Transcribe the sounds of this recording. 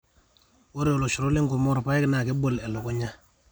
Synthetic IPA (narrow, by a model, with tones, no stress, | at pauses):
wo˦ɾo˨lo˨ʃu˨ɾo˦le˦ŋko˨mɔ˦ɾpa˦ɛ˦kna˨ke˦bo˦˨lɛ˨lo˨kɔ˦ɲa˦